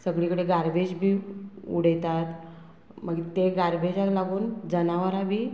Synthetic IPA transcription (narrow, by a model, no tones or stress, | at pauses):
səɡɭikəɽeɡaɾbed͡ʑbʱiːṵɽ̤əjt̪at̪ | məɡt̪eɡaɾbʱed͡ʑaklaɡuːnd͡zənaʋəɾabʱiː